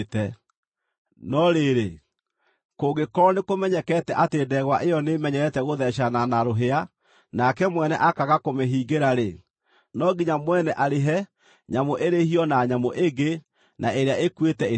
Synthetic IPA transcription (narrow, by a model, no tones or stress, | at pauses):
tɛ | nɔɾeɾe | koɣekɔɾɔnekomɛɲɛkɛtɛʔateːdɛɣwaʔejɔnemɛɲɛɾɛtɛɣoðɛɕ̬ananaɾoɦea | nakɛmwɛnɛ̰ʔakaɣakomeɦiːɡeɾaɾe | nɔɡiɲamwɛnɛʔaɾeɦɛ | ɲamoʔeɾehiɔnaɲamoʔeɡe | naʔeɾeaekwetɛe